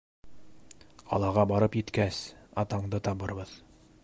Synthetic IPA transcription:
ɑ̰lˠɑʁɑbɑɾɤpjɘ̆t̪kæsɑ̰t̪ɑɴd̪ɤt̪ɑβɤɾβɤð

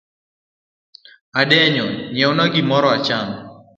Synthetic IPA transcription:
adɛɲɔɲɛwnaɡɪmɔɾɔat͡ʃam

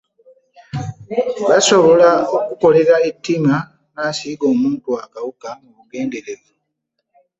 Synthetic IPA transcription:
βaso̞βo̞laokuko̞le̞ɾaetːima | naːsiːɡo̞ːmuːntuakawukamuβuɡe̞ːnde̞ɾe̞βu

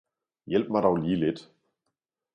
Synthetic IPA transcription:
jɛlp̚maɾawliːlɪt

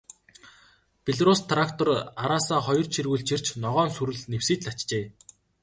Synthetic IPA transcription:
pʲeɮɾust̪ʰrakt̪ʰɔraɾaːsaːχɔjɞ̆r̥t͡ɕʰirɣɘ̆ɮt͡ɕʰir̥t͡ɕnɔʁɔːnsuɾɘ̆ɮnewsiːt͡ɕɮat͡ɕt͡ɕeː

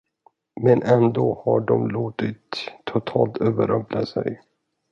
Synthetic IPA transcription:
mɛnʔɛnd̪oːhaɖɔmloːt̪ɪt̪ʰːʊt̪ʰɑːlt̪øːvəɾœplasɛ̰j

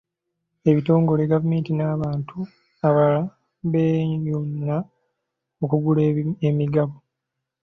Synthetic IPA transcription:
e̞βito̞ːŋɡo̞leɡavume̞ːntinaːβaːntʰu | aβala | βeːjunːa | okuɡuleemiɡaβo

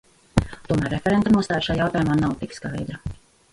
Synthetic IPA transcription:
t̪uɔmæːɾːefɛɾɛnt̪anuɔst̪aːjɾʃaːjawt̪aːjumaːnawt̪ikskajd̪ɾɐ

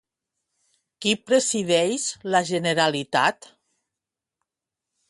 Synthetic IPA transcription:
kipɾesiðɛjzlaʒeneɾalit̪a̰t̪

